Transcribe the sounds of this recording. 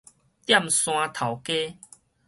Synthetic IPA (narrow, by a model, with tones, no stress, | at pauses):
t̪ja˥˨msw̃ã˧t̪ʰa˨˩wke˦